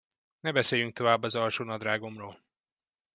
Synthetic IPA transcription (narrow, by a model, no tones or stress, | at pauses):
nɛbɛseːjyŋk̚t̪o̞vaːbːɒzɒlʃoːnɒd̪raːɡo̞mroːl